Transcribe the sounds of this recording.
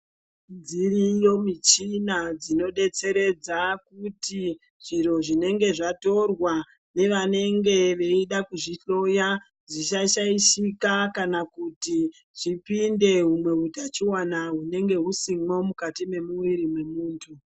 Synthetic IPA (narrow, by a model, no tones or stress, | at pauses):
nd͡ziɾijo̞mit͡ʃinad͡zino̞ɗe̞t͡se̞ɾe̞d͡zakuti | ʐ̥iro̞ʐine̞ŋɡe̞ʐato̞rwa | ne̞ʋane̞ŋɡe̞ʋe̞iɗakuʐiɬo̞ja | d͡ziʃaʃaiʃikakanakuti | ʐ̥ipinde̞ɦumwe̞ɦutat͡ʃiwanaɦune̞ŋɡe̞ɦusimo̞mukatime̞muwiɾimwe̞muːntʰu